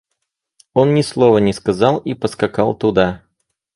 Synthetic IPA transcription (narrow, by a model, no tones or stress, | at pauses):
onnʲɪslˠovənʲɪskɐzɑlˠipəskɐkɑlˠt̪ʊd̪a